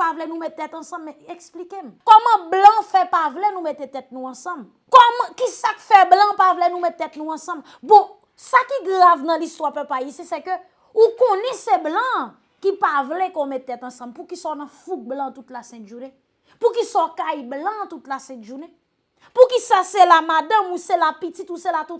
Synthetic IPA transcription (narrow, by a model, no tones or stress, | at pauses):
pavlɛnũmɛttːɛt̪ɐ̃sɐ̃mːɛ̃ɛksplikem̩kɔmɐ̃blãfɛpavlɛnũmet̪et̪ɛt̪̚nũɐ̃sɐ̃m | kɔm̃kisakfɛblãpavlɛnũmɛt̪̚t̪ːɛt̪̚nũɐ̃sɐ̃m | bɔ̃ | sakiɡʁavnɐ̃list̪wapɛpaisesɛkø | ukɔ̃nɛseblɐ̃ | kipavlɛkomɛttːɛt̪ɐ̃sɐ̃mpukisɔnɐ̃fuɡ̚blãt̪ut̪lasɛ̃t̪ʒune | pukisɔkajblãt̪ut̪lasɛ̃t̪ʒune | pukisaselamad̪ãmũselapitit̪uselat̪ut̪̚